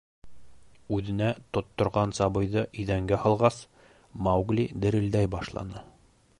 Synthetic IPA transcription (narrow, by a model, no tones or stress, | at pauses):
ʉðɘ̆næt̪ŏt̪ːŏɾʁɑnsɑβɤ̆jðɤʔɵ̆ðæŋɡæhɑlˠʁɑs | mɑwɡlʲid̪ɘ̆ɾɘ̆ld̪æjbɑʃlˠɑ̰nɤ